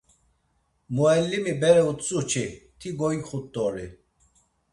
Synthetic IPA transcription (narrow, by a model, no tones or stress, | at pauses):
muɛlːimibɛɾɛut̪t͡sʼut͡ʃʰit̪ʰiɡɔikχut̪ʼːɔɾi